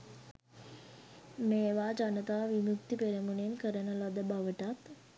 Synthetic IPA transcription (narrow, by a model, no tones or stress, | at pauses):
meːʋaːd͡ʒanət̪aːʋimuk̚t̪ipeɾəmunenkəɾənəlad̪əbaʋəʈat̪